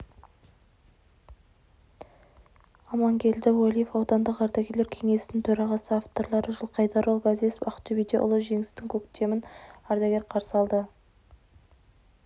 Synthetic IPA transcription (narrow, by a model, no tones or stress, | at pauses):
ɑmɑŋkʲʰe̞ld̪ɪwalʲijefɑwt̪ɑnd̪əqɑɾd̪ɑɡʲe̞ɾle̞ɾkʲʰe̞ŋe̞sɪnɪŋt̪ʰɵɾɑʁɑsəaft̪o̞ɾlˠɑɾəʒəlˠqʰɑjd̪ɑɾolˠɡazespɑ̰qt̪ʰːybijd̪e̞ʔʊ̰lˠəʒe̞ŋɪst̪ɪŋkʲʰɵkt̪e̞mɪnɑɾd̪aɡʲe̞ɾqʰɑɾsəɑlˠd̪ə